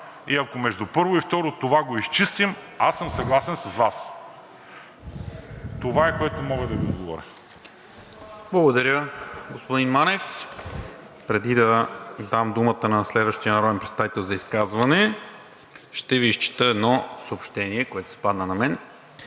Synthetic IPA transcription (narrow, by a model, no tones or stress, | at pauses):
iɐkomɛʒd̪upɤɾvʊift̪ɔɾot̪ovaɡoist͡ʃist̪im | asːəmsɐɡlˠasɛnsɐzvas | t̪ovaɛkoɛt̪omɔɡəd̪ɐviod̪ɡovɔ̰ɾʲə | blˠɐɡod̪ɐɾjəɡospod̪inmanɛf | pɾɛd̪id̪ɐd̪amd̪umət̪ənɐslɛd̪vəʃt̪ijənɐɾɔd̪ɛnpɾɛt̪st̪avit̪ɛlˠzɐiskazvɐnɛ | ʃt̪ɛviːst͡ʃi̥t̪əɛd̪nɔsoopʃt̪ɛniɛkoɛt̪o̥sɛ̥pad̪nənɐmɛn